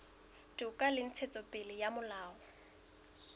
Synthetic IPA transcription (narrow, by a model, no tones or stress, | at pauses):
dʊkʼalɪn̩t͡sʰet͡sʼɔpʼɪlɪjamʊlaːɔ